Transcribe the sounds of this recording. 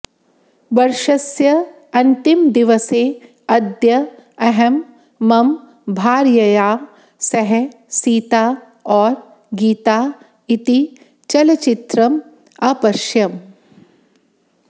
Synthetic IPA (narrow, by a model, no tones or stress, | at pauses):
ʋɐɾʃɐsjɐ | ɐnt̪imd̪iʋɐseː | ɐd̪jɐɐɦɐmː | ɐm | bʱaːɾjɐjaː | sɐɦɛ | siːt̪aː | ɔːɾ | ɡiːt̪aː | it̪i | t͡ʃɐlɐt͡ʃit̪ɾɐm | aːpɐʃjɐm